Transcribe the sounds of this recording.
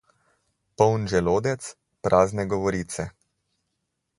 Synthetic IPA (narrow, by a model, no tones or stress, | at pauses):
pɔwnʒɛloːd̪ɛt̪s | pɾʔaːznɛɡɔʋɔɾiːt̪sɛ